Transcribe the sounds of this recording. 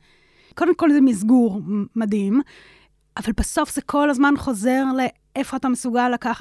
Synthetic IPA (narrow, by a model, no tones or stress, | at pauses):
ko̞demko̞lzemizɡuʁmadim | ʔavalbaso̞fz̥ekʰo̞lazmanχo̞ze̞ʁle̞ | efo̞atamesuɡalːakaχ